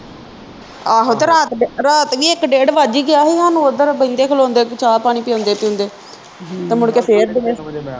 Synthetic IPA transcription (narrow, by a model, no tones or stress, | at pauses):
aːɦoːt̪eːɾaːt̪ːɾaːt̪ʋiːɪkɖeːɖʋaːd͡ʒiːɡɪjaːɦeːaːnũːod̪əɾbəĩnd̪eːkʰəlõːnd̪eːkt͡ʃaːlpaːɽ̃iːpɪjõːnd̪eːpɪjõːnd̪eː | t̪ẽːmʊɽkeːpʰeːɾd̪ɪnẽː